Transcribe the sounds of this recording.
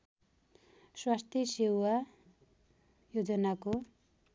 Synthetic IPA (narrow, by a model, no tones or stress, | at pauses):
swast̪ʰjʌsewa | jod͡zʌnako